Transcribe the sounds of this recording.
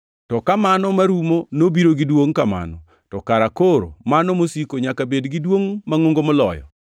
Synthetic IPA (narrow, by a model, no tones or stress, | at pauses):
tɔkamanɔmaɾumonobiɾoɡɪdwoŋkama̰nɔ̰ | tɔkaɾakoɾo̰manɔmosikoɲakabedɡidwoŋmaŋoŋɡomɔlɔ̰jɔ̰